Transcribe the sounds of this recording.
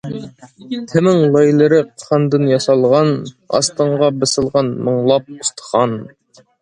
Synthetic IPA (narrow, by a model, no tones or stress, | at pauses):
t̪ʰɪmɪŋlˠɑjlˠəɾɨqʰχɑnd̪ɨnjɑsɑlˠʁɑn | ɑ̰st̪əɴʁɑbɨsəlˠʁɑnməɴlˠɑp̚ust̪ə̥χɑn